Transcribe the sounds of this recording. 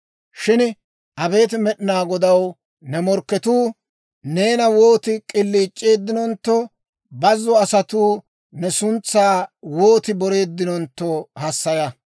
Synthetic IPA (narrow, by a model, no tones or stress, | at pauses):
ʃɪn | ʔɐbe̞ːt̪ɪmɛɗɪnaːɡɔd̪ɐw | nɛmɔɾkːɛt̪uː | ne̞ːnɐwoːt̪ɪkʼɪlːiːt͡ʃʼːeːd̪ːɪnɔnt̪ːɔ | bɐzːɔɐsɐt̪uː | nɛsʊnt͡sːaːwoːt̪ɪbɔɾe̞ːd̪ːɪnɔnt̪ːɔhɐsːɐjɐ